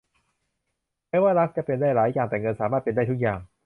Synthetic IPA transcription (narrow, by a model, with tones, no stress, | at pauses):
mɛː˦˥waː˥˩ɾa˦˥k̚t͡ɕa˧pe˧ndaː˥˩jɾaː˩˦jːaː˨˩ŋt̪ɛː˨˩ŋɤ˧nsaː˩˦maː˥˩t̪̚pe˧nda˥˩t̪ʰu˦˥k̚jaː˨˩ŋ